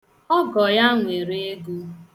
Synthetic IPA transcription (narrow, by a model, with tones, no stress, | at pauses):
ɔ˦ɡɔ˨ja˦ŋʷe˨ɾe˦e˦ɡu˦